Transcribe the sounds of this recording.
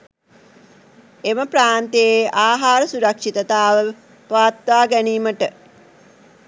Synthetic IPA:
eməpraːnt̪ejeʔaːɦaːɾəsuɾɐkʂit̪ət̪aːʋə | pʋaːt̪ʋaːɡæniːməʈə

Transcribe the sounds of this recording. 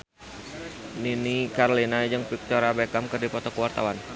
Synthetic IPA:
ninikaɾolinad͡ʒɨŋpik̚t̪ɔɾabekamkərdipɔt̪ɔkəwart̪awan

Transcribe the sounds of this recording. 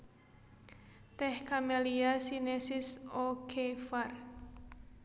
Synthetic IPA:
t̪ɛhkameliasinesɪsokʰefar

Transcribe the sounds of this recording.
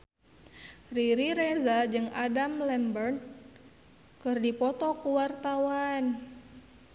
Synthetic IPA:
riɾiɾezad͡ʒɨŋadamlɛmbərn | kɨrdipɔt̪ɔkuwart̪awan

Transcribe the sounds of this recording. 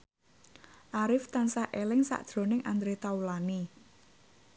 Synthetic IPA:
ʔaɾɪft̪ansaʔelɪŋsa̰ʔd̥ɾo̤nɪŋʔand̪ɾet̪awulani

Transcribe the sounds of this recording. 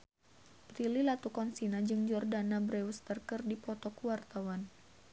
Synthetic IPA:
pɾililat̪ukɔnsinad͡ʒɨŋd͡ʒɔrdanabɾɛust̪ərkɨrdipɔt̪ɔkuwart̪awan

